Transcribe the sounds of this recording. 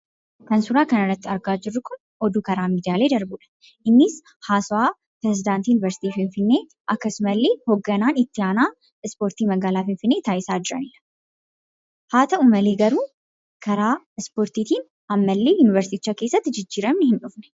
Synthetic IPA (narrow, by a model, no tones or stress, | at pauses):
kɐnsʊɾaːkɐnɐrːɐt̪ːɪɐɾɡaːd͡ʒɪrːʊkʊn | ʔɔd̪uːkɐɾaːmiːd̪ɪjaːle̞ːd̪ɐɾbuːᶑɐ̥ | ʔɪnːɪs | haːsɔwaː | pɾɛzɪd̪aːnt̪iːjʊnɪvɛɾsɪ̥t̪iːfɪɱfɪnːe̞ː | ʔɐkːɐsʊmɐlːe̞ːhɔɡːɐnaːnɪt̪ːɪaːnaː | ɪspoːɾt̪iːmɐɡaːlaːfɪnfɪnːe̞ːt̪aːʔɪsaːd͡ʒɪɾɐ̰nɪːᶑɐ̥ | haːt̪ɐʊmɐleːɡɐɾuː | kʰɐɾaː | ɪspoːɾt̪iːt̪iːn | ɐmːɐlːe̞ːjʊnɪvɛɾsɪt̪ɪt͡ʃːake̞ːsːɐt̪ːɪd͡ʒɪd͡ʒːiːɾɐmnɛhɪnᶑʊfnɛ̥